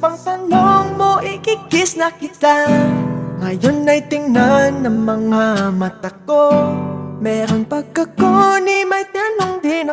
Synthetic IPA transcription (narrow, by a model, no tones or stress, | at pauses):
pɐŋt̪ɐnoŋmo̞ʔɪkɪɡɪsnɐkɪt̪a | ŋɐjonːɐjt̪ɪŋnanːɐŋmɐŋamɐt̪ɐko | mɛːɾonpɐɡ̚kːɐkonimɐjt̪anoŋd̪ɪnɐ